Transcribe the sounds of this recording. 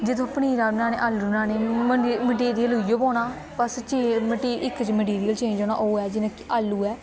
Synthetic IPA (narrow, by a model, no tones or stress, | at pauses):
d͡ʒɪt̪ʰõːpniːɾaːbɪnãːnḛːʔaːlːunãːneːməməʈ̬iːɾɪjəlɦʊioːbõːnaː | pəst͡ʃeməʈiːʔɪkt͡ʃməʈiːɾɪjəlt͡ʃẽːd͡ʒoːna̰ːʔoːɛːd͡ʒɪnekʔaːlːuːɛː